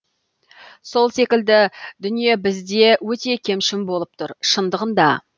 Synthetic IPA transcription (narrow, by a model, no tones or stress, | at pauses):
so̞lˠse̞kʲɪld̪ɪd̪ʏnije̞bɪzd̪e̞wɵt̪e̞kʲʰe̞mʃɪmbo̞lˠəp̚t̪ʰʊɾʃənd̪əʁənd̪ɑ